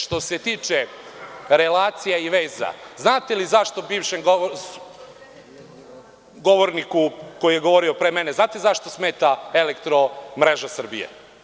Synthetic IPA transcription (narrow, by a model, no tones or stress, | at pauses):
ʃt̪o̞se̞t̪iːt͡ʃe | ɾelaːt̪sijaiʋeːza̰znaːt̪elizaʃt̪o̞biːʋʃemɡ | ɡo̞ʋoɾnikuko̞jije̞ɡo̞ʋo̞ɾiopɾemene̞znaːt̪ezaʃt̪o̞smeːt̪ae̞lekt̪ɾo̞mɾeʒasr̩bijḛ